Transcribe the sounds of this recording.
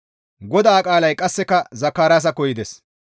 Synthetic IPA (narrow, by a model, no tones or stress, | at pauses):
ɡɔd̪aːkʼaːlɐjkʼɐsːɛkɐzɐkːaːɾaːs̬ɐkɔjɪd̪ɛs